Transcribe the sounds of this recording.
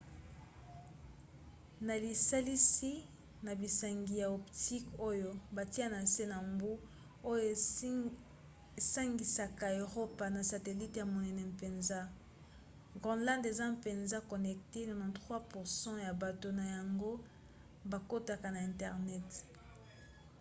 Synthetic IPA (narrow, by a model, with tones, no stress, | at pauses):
na˨li˨sa˦li˦si˦ | na˨bi˨sa˨ŋɡi˨ja˨ɔ˨pti˦ko˦jo˦ba˨ti˦a˦na˨se˦na˨mbu˦ | o˦jo˦ | e˨sa˦ŋɡi˨sa˨ka˨e˨ʁo˦pa˨na˨sa˨te˨li˦tja˨mo˨nɛ˨nɛ˨mpe˨nza˦ | ɡʁɔ̃˨lã˦nde˨za˦mpe˨nza˦kɔ˨nɛ˨k̚te˦no˨mã˨tʁwa˦pu˨ʁsɑ̃˦ja˨ba˨to˨na˨ja˨ŋɡo˦ | ba˨ko˦ta˨ka˨na˨ɛ̃˨ntɛ˨ʁnɛ˦t